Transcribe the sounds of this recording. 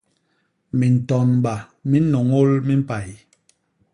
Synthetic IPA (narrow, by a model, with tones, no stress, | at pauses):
mi˨n̩˨tɔ˨nm˨ba˨ | mi˦no˨ŋo˦lmi˦m̩˦pa˨j